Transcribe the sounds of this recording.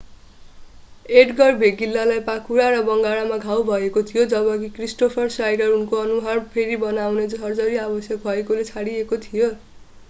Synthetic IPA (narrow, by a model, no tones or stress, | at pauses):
eʈɡʌrbʱeɡilːalajpakuɾaɾʌbʌŋɡaɽamaɡʱawbʱʌekot̪ʰijod͡zʌbʌkikrisʈopʰʌrsajɖʌrunkoʌnuɦarpʰeɾibʌnawned͡zʌrd͡zʌɾiabʌsjʌk̚bʱʌekolet͡sʰaɽiekot̪ʰijo